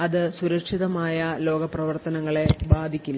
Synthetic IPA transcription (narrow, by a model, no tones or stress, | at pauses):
ɐðɨsuɾɐkʂiðɐmaːjɐlo̞ːɡɐprɐʋɐrt̪ɐnɐŋːɐɭe̞baːd̪ʱikʲːulː